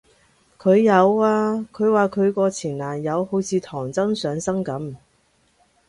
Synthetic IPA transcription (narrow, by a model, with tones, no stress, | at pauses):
kʰɵ˨˧ɥjɐ˨˧waː˧kʰɵ˨˧ɥwaː˨kʰɵ˨˧ɥkɔː˧t͡sʰiː˨˩nlaː˨˩njɐ˨˧who˨˥wt͡sʰiː˨˧t̪ʰɔː˨˩ŋt͡sɐ˥ŋsœː˨˧ŋsɐ˥ŋkɐ˨˥m